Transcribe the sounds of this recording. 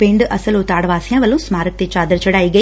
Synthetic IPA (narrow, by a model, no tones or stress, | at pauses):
pɪ̃ɳɖɐsəlʊt̪aːɽʋaːsjãʋəlːõsmaːɾək̚t̪et͡ʃaːd̪əɾt͡ʃɐɽaːiːɡɐi